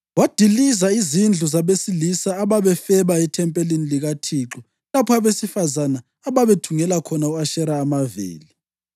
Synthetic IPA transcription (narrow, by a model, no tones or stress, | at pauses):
wad̥ʱilizaizind͡ɮʱuzaβesilisaːβaβɛfɛβaitʰɛmpʼeliniliɣatʰiːǁu | lapʰɔaβesifazanaːβaβetʰuŋɛlakʰɔnauaʃɛɾaːmavḭːli